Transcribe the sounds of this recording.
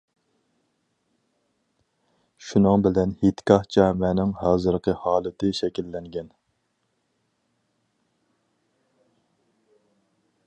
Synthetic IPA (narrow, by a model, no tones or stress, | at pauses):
ʃunɨŋbɪlɛnhit̪kʲʰɑht͡ʃʰɛmɛnɪŋɦɑːzɨɾqʰəhɑːlˠɪt̪ʰɪʃɛkʲilːɛŋɡʲɛn